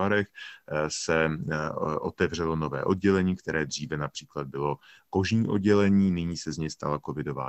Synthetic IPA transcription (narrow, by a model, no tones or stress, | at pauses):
aɾɛxsɛ | ʔo̞t̪ɛvr̝ɛlo̞novɛ̰ːʔo̞d̚ɟɛlɛɲiːkt̪ɛɾɛːd̪r̝̥iːvɛnapr̝̥iːklad̪̚bɪlo̞ | ko̞ʒɲiːʔo̞d̚ɟɛlɛɲiːnɪɲiːsɛzɲɛjst̪a̰lako̞vɪdo̞va̰ː